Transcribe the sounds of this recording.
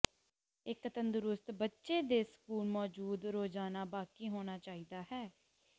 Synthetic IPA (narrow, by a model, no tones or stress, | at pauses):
ɪkːət̪ənd̪ʊɾʊst̪bətːʃeːd̪eːsə̥kuːlmɔːd͡ʒuːd̪ɾoːd͡ʒaːnaːbaːkiːɦoːñaːt͡ʃaːiːd̪aːɦɛː